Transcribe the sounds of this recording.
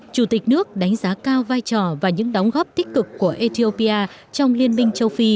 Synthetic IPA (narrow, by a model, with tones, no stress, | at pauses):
t͡ɕu˧˩t̪i˨˩k̟̚nɨ˦˥ək̚ɗa˨˦jŋ̟zaː˨˦kaː˧wvaː˧jt͡ɕɔ˨˩vaː˨˩ɲɨ̰˧˥ŋɗa˨˦wŋ͡mɣɔ˦˥p̚t̪i˦˥k̚kɨ˨˩kːu˧˩əʔi˧t̪i˧o˧pi˧ʔaː˧ | t͡ɕɔ˧wŋ͡mli˧ənmï˧ŋ̟t͡ɕə˧wfi˧